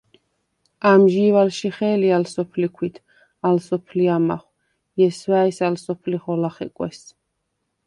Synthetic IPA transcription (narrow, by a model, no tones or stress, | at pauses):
amʒiːvalʃiχɛːlialsɔpʰlikʰwit̪ʰ | alsɔpʰliama̰χw | jɛswaɛsalsɔpʰliχɔlaχɛ̰kʼwɛ̰s